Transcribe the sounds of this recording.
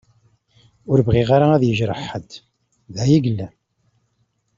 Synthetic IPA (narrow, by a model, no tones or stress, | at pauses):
ʊɾbʁiʁaɾaæðjəʒɾə̰ħəd̪ | ðæjiɡlːæ